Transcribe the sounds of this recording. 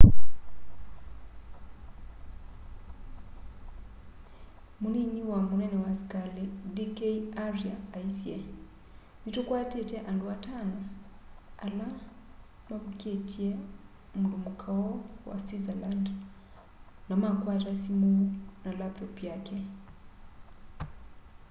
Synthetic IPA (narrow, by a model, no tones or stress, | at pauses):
muniɲiwamunɛnɛwasi̥kalidikeiariaːisiɛ | nitukwatɛtɛʔanduwatana | ala | mavukɛtʰiɛ | mudumukʰaɔwa̰swizaland | namakwatasimunalap̚tɔpjakɛ